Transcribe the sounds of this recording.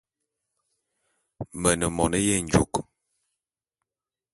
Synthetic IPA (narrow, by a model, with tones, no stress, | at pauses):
mə˨nə˨mɔ̰˨nə˦jɛ˦˨n̩˨d͡ʒu˨k